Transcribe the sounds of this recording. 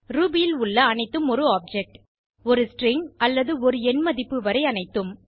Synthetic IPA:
ɾuːbɪjɪlʊɭːɐːnɐɪt̪ːɯmɔɾɯaːp̚d͡ʒɛk̚ʈ | ɔɾɯsʈɾɪŋɐlːɐðɯɔɾɯɛnmɐðɪpːɯʋɐɾɐɪɐnɐɪt̪ːɯm

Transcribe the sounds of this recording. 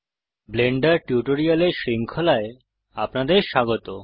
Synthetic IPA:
bleɳɖaɾʈjuʈoɾialeʃɾiŋkʰolae | apnad̪eɾʃaɡot̪o

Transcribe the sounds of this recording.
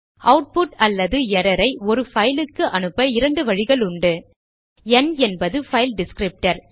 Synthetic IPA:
ɐʊʈ̚pʊʈɐlːɐðɯɛɾɐɾɐɪɔɾɯfɐjlɯkːɯʔɐnɯpːɐɪɾɐɳɖɯʋɐɻɪɣɐɭʊɳɖɯ | ɛnɛnbɐðɯfɐjlɖɪskɾɪp̚ʈɐɾ

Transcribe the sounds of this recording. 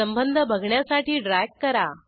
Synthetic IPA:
əmbənd̪ʱəbʱəɡʱɳjasaʈiːɖɾajkkːəɾa

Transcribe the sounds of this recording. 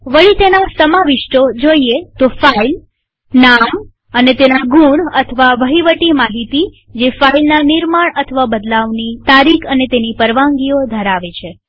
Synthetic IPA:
ʋəɭit̪enasəmaʋiʃʈod͡ʒoiet̪ofail | nam | ənet̪enaɡuɳət̪ʰəʋaʋəɦiʋəʈimaɦit̪i | d͡ʒefailnaniɾmaɳət̪ʰəʋabəd̪laʋnit̪aɾikʰənet̪enipəɾʋaŋɡiod̪ʱəɾaʋet͡ʃʰe

